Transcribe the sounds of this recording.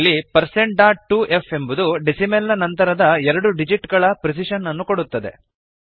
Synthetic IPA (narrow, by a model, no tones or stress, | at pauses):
lːipɐɾse̞ɳʈ̚ɖaːʈʈːuʔefembud̪uɖisimelːɐnɐnt̪ɐɾɐd̪ɐɛɾɐɽuɖid͡ʒiʈɡɐɭɐpɾes̬iʃɐnːɐnːukoɽut̪ːɐd̪e̞̰